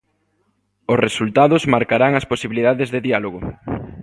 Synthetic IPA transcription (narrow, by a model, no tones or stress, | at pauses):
ʊsresult̪aðʊzmaɾkaɾaŋasposiβiliðaðezðeðialoɣ̞o